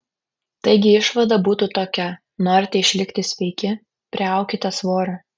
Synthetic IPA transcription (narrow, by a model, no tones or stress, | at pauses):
t̪ɐɪɡʲɪɪʃʋɐd̪ɐbuːt̪uːt̪oːkʲɛ | noːɾʲt̪ʲɛɪʃʲlʲɪkʲt̪ʲɪsʲʋʲɛɪkʲɪ | pʲɾʲɪɑˑʊkʲɪt̪ɐsʋoːɾɐ